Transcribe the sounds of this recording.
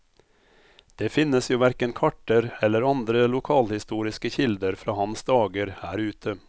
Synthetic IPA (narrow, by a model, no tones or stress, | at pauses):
d̪̥eːfɪnəsjuːʋæɾkənkʰɑʈəɾɛlːəɾɑnd̪ɾəlʊkʰɑːlhɪst̪uːɾɪskəçɪld̪əɾfɾɑːhɑnsd̪ɑːɡəɾhæːɾʉːt̪ʰə